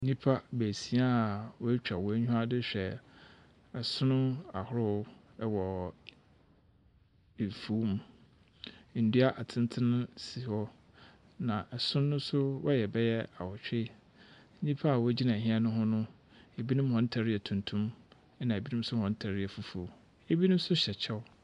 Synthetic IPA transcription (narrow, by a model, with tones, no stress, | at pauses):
n̩˦ɲĩ˦pʰa˦bæ˨si˨˦a˦a˨wɔ˦t͡ɕᶣa˨wɔ˨˦ɲᶣũ˦a˦dɪ˦ɕᶣɛ˨ | ɛ˨sʊ̃˦nʊ̃˦a˨hʊ˦ɾʊ˦ | wɔ˨ | e˨fu˨˦m˦˨ | n̩˨du˦a˦ʔa˨tʰɪ̃˦n˦tʰɪ˦nʊ̃˦si˨hɔ˦ | nã˨ʔɛ˨sʊ̃˦nː˦ʊ̃˦sʊ˦wʔɔ˦jɛ˨bɛ˦jɛ˦a̰˨wɔ˨t͡ɕᶣɪ˦ | ɲ̩˦ɲĩ˦pʰa˦a˨wɔ˦d͡ʑi˦nã˨ɦĩ˦ɛ˦nʊ̃˦ɦɔ̃˦nʊ̃˦ | e˨bi˦nʊ̃˦m˦hɔ̃˦n̩˦tʰa˨ɾɪ˦ɛ˨tʰũ˨ntʰũ˦m | ɛ˦nã˨e˨bi˦nʊ̃˦m̩˦sʊ˦hɔ̃˨n̩˦tʰa˨ɾɪ˦ɛ˨fu˨fu˨ | e˦bi˦nʊ̃˦sʊ˦ɕɛ˨t͡ɕʰɛ˦w